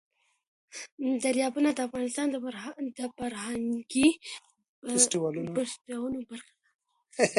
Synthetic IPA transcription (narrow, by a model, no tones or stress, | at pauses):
d̪aɾjɑbunad̪əafɣɑnɪst̪ɑnd̪əd̪əfaɾhaŋɡi | sʈɪwɑlupastawənobaɾxḁd̪a